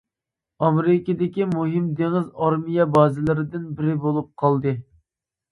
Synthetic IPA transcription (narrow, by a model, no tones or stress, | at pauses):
ɑmeɾɪkʲɪd̪ɪkʲimuɦɪmd̪eŋɪzɑɾmijɛbɑːzɪlˠɨɾɪd̪ɪnbɪɾɪbolˠup̚qʰɑlˠd̪ɨ